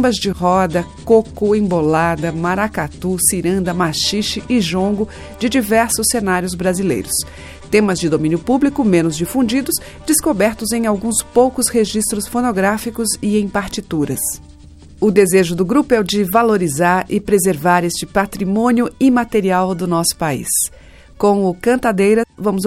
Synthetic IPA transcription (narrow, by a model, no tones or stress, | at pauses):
õmbɐzd͡ʒɪɦɔd̪ɐkokʊẽbolad̪ɐmaɾakat̪usiɾɐ̃nd̪ɐmaʃiʃt͡ʃɪʔɪʒõɡʊ | d͡ʒɪd͡ʒivɛɾsʊsːenaɾjʊzbɾazilḛjɾʊs | t̪ẽmɐzd͡ʒɪd̪omĩnjʊpublikʊmẽnʊzd͡ʒifũd͡ʒid̪ʊs | d͡ʒɪskobɛɾt̪ʊzẽj̃awɡũspowkʊsheʒist̪ɾʊsfonoɡɾafikʊzɪẽj̃paɾt͡ʃit̪uɾɐs | ʊd̪ezeʒʊd̪ʊɡɾupʊɛwd͡ʒɪvaloɾizaɾɪpɾezeɾvaɾest͡ʃɪpat̪ɾimõnjʊɪmat̪eɾiawd̪ʊnɔsʊ̥paḭs | kõʊkɐ̃nt̪ad̪ejɾɐvɐ̃mʊz